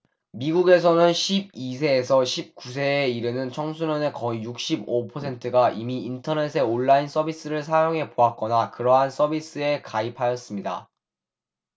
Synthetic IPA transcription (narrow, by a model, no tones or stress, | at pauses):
miɡuɡe̞s̬ʰʌnɯnɕʰib̚is̬ʰe̞ːsʰʌɕʰip̚k͈us̬ʰe̞ːiɾɯnɯnt͡ɕʰʌŋsʰuɲʌne̞kʌijuk̚ɕ͈ibopʰʌsʰe̞ntʰɯɡaʔimiːntʰʌne̞s̬ʰe̞oɭːains͈ʌbis͈ɯɾɯɭs̬ʰajoŋɦe̞poɦak͈̚ʌnakɯɾʌɦans͈ʌbis͈ɯe̞kaipʰajʌs͈ɯmɲida̰